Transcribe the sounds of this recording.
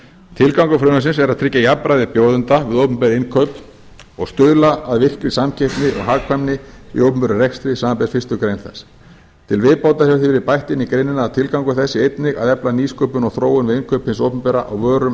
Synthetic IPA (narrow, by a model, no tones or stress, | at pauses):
t̪ʰɪlkawŋkʏfɾʏːnas̬ɪnsɛɾaðt̪ʰɾɪcːajapːɾajðɪpjoːwðʏnt̪avɪðowpʏmpɛðɪɪnkʰœp | ɔɣst̪ʏðlaaðvɪr̥kɾɪsamcʰejhp̪nɪʔɔ̰ɣɦaːkʰvamnɪvɪ̰owpʏmpɛɾʏrɛkst̪ɾɪsaːmampɛɾ̥fɪst̪ʏkɾejnθɛ̰s | t̪ʰɪlvɪðpawt̪asjaɾθivɪɾɪpajht̪ɪnikɾejnːɪnaːðt̪ʰɪlkawŋkʏθɛsːɪejt̪nɪɣa̰ðɛplaniːskœːpʏnɔɣθɾoːwʏnvɪðɪnkʰœphɪnsowpʏmpɛɾaʔa̰wvœːɾʏm